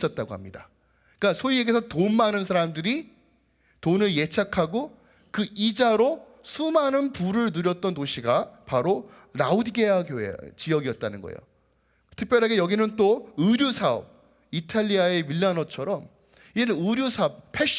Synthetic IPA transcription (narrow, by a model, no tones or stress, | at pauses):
s͈ʌt̚t͈aɡoɦa̰mɲida̰ | k͈asʰoieɡe̞sʰʌtonmanɯns̬ʰaɾamdɯɾi | tonɯɭje̞t͡ɕʰakʰaɡo | kɯʔid͡ʑaɾo | sʰumanɯnpuɾɯɭnuɾjʌt̚t͈ʌntːoɕʰiɡapaɾo | ɾaudiɡeaɡoḛt͡ɕijʌɡiʌt̚t͈anɯnɡʌ̰ḛjo̰ | tʰɯk̚pjʌɾɦaɡejʌɡinɯnt͈oɯɾjusʰaʌ̰p̚ | itʰaʎːiaemiɭːanʌt͡ɕʰʌɾʌm | id͡ʑenɯnɯɾjusʰap̚pʰeɕ